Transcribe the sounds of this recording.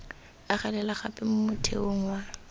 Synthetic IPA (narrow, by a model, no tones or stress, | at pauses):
aχɛlɛlaχa̰pʼɪmʊmʊtʰḛoŋ̩wa